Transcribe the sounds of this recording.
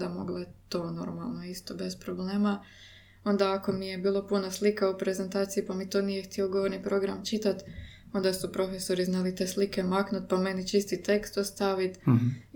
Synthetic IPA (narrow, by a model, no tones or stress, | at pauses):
d̪amo̞̰ɡlat̪o̞ːno̞̰ɾma̰lˠnoist̪o̞be̞spɾo̞bleːma | o̞nd̪aako̞mije̞biːlˠo̞punaslikaupɾe̞ze̞nt̪aːt̪sijipamit̪oːnije̞xt̪ioɡo̞ʋo̞ɾnipɾo̞ɡɾamt͡ʃit̪at̪ | o̞nd̪asupɾo̞fe̞so̞ɾiznalit̪eslike̞maknut̪̚pame̞nit͡ʃist̪it̪e̞kst̪ost̪aʋit̪